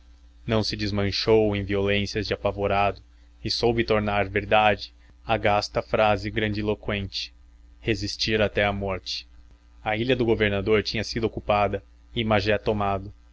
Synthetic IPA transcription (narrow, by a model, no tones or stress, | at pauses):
nɐ̃w̃sɪd͡ʒɪzmɐ̃ʃowẽj̃violẽsjɐzd͡ʒɪapavoɾad̪ʊ | ɪsowbɪt̪oɾnaɾveɾd̪ad͡ʒɪ̥ | aɡast̪ɐfɾazɪɡɾɐ̃d͡ʒɪilokwẽnt͡ʃɪ̥ | hezist͡ʃiɾat̪ɛɐmɔɾt͡ʃɪ̥ | ɐiʎɐd̪ʊɡoveɾnad̪oɾt͡ʃĩɲɐsid̪ʊokupad̪ɐ | ɪmaʒɛt̪omad̪ʊ